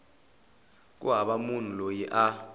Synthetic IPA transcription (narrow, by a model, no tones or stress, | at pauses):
k̬ṵɦaɓamun̤ulojiʔa